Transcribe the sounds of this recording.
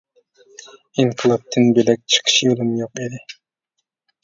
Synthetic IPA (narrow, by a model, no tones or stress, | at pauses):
inkʰɨlˠɑp̚t̪ʰɨnbelɛk̚ʲt͡ʃʰɨ̥qʰə̥ʃijolˠɨmjoqid̪ɪ